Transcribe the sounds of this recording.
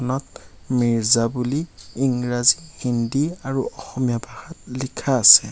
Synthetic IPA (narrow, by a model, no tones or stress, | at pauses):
ɔnɔt̚ | miɹzabuliːŋɹazihindiaɹuɔxɔmijabʱahatlikʰaːsɛ